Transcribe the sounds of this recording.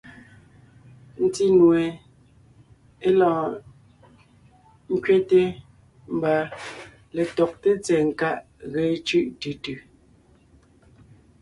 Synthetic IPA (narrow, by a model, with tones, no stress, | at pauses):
n̩˨ti˦nwe˨ | e˦lɔ̃ː˨ | ŋ̩˦kɥe˦te˦ | m̩˨ba˨ | le˨tɔ˨k̚te˦t͡sɛ˨ŋ̩˨ka˦˨ʔ | ɣe˨˦t͡ʃʉ˦ʔtʉ˨tʉ˨